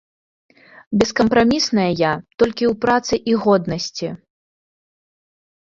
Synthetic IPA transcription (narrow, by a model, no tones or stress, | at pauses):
bʲɛskɐmpɾamʲisnɐjɐjat̪ɔlʲkʲiwpɾat̪sɨʔiɣɔd̪nɐsʲt͡sʲi